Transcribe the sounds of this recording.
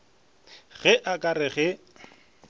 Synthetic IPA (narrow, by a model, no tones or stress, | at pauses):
ɣɛʔakʼarɪɣɛ